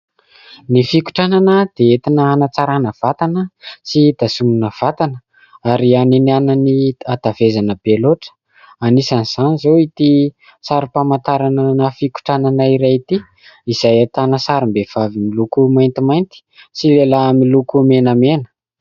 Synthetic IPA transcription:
nifiku̥ʈ͡ʂananəd̪̥eet̪inəanat͡saɾanəv̥at̪anəsid̪̥asumunəv̥at̪anə | aɾianinanəniad̪̥avezanəb̥eloʈ͡ʂə̥ | anisaniz̥anizoit̪i | saɾupamant̪aɾananəfiku̥ʈ͡ʂananaiɾait̪i | iz̥ajat̪anəsaɾumbev̥avimilukumajnt̪imajnt̪i̥silelamilukumenəmenə̥

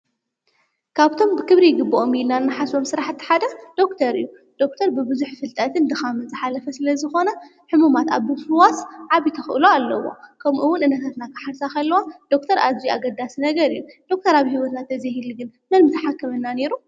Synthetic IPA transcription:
kʰaβt̪ʰo̞mbɨkʰɨβɾijɡɨbːoʔomilnanːaħaso̞msɨɾaħɨt̪ʰːi̥ħad̪ɐd̪̥o̞kt̪ʰɐɾɨ̰jːu | d̪̥o̞kt̪ʰɐɾbɨbɨzuħfɨlt̪ʼɐt̪ʰɨnd̪ɨxamɨnzɨħalɐfɐsɨlɐzɨxo̞nɐ | ħɨmumat̪a̰βɨfwasʕaβit̪ʰɐxʔɨloalːɐ̰wo̰kʰɐmʔuwːʊnʔɨnːɐt̪ʰat̪nakɨ̥ħaɾsaxɐlːɐwad̪̥o̞kt̪ʰɐɾʔazijaɡɐd̪asinɐɡɐɾɨjːud̪̥o̞k̚t̪ʰɐɾaβhiwɔt̪nat̪ʰɐzihilɡɨnmɐnmɨt̪ʰɐħakːɐmɨnːane̞ɾu

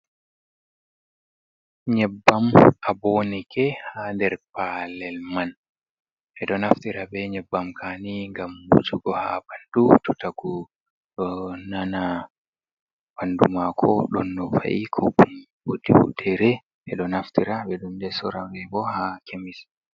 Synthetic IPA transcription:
ɲɛbːamabonikʰɛhadɛɾpalɛlman | ʔɛɗɔnaftiɾabɛɲɛbːamkʰaːniŋɡamːṵd͡ʒuɡɔhabandututaɡu | ɗɔnana | b̥andṵmakʰɔ̰ɗɔnːɔfa̰ʔikʰɔum | bodiwṵdɛɾɛ | ʔɛɗɔnaftiɾabɛɗumdɛsɔɾawɛbɔhakʰemis

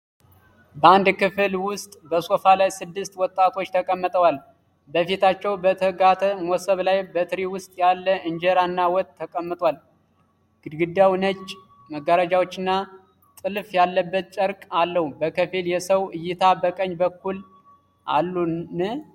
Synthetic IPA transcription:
bəand̪kɨfɨlwʊst̪ʼbəsʼo̞falajsɨd̪ːɨst̪wɔt̪ʼːat̪ʰo̞t͡ʃːt̪ʰəkʼəmːət̪ʼəwal | bəfit̪ʰat͡ʃːɛwbət̪ʰəɡat̪ʰəmosəβlajbət̪ʰɨɾiwʊst̪ʼjalːəʔɨɲd͡ʒɛɾanːawɔt̪ʼʰːəkʼəmːɨt̪ʼwal | ɡ̥ɨd̪ɡɨd̪ːawnət͡ʃʼː | məɡaɾəd͡ʒawot͡ʃːɪnːa | t̪ʼɨlfjalːəbːət̪̚t͡ʃʼəɾkʼalːəhubəkʰɨfiljɛsəwɨjːɪt̪ʰabəkʼəɲːbəkːul | ʔa̰lːunɨ

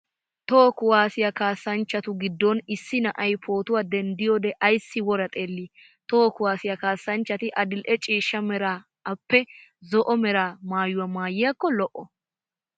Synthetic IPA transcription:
t̪oːkʊwaːsɪjɐkaːsːɐnt͡ʃːɐt̪ʊɡɪd̪ːɔnɪsːɪnɐʔɐjpʰoːt̪ʊwaːd̪ɛnd̪ɪjod̪ɛʔɐjsːɪwɔɾɐt̪ʼe̞ːlːi | t̪oːkʊwaːsɪjɐkaːsːɐnt͡ʃːɐt̪ɪʔɐd̪ɪlʔɛt͡ʃʼiːʃːɐmɛɾaː | ɐpːɛzɔʔɔmɛɾaːmaːjʊwɐmaːjːɪjɐkːɔlɔʔɔ

